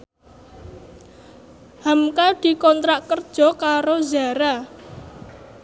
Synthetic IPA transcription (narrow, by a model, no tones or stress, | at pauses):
hamkad̪̥i̤kɔnt̪ɾaʔkərd̥ʒ̥ɔ̤kaɾozaɾa